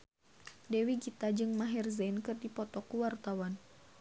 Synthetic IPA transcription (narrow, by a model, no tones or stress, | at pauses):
dɛwiɡit̪ad͡ʒɨŋmaɦɛrzɛnkɨrdipɔt̪ɔkuwart̪awan